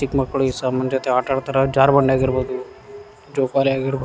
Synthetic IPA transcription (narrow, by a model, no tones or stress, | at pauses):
ikmɐkːɐɭuisamɐnd͡ʒoːt̪eaːʈaːɽt̪aɾɐd͡ʒaːɾbɐɳɖaːɡiɾboːd̪u | d͡ʒoːkaːliaːɡiɾbo